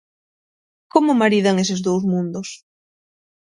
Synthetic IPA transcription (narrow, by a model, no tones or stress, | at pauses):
komʊmaɾiðaŋes̬ɪzðowzmũnd̪ʊs